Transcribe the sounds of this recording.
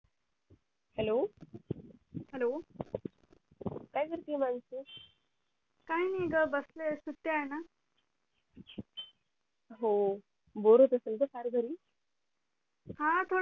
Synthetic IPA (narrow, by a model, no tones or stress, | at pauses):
hɛloː | hɛloː | kajkəɾt̪imansu | kajniːɡabəslesut̪ːjaena | ɦo | boɾot̪əsənt̪əkaɾɡəɾiː | hãt̪ʰo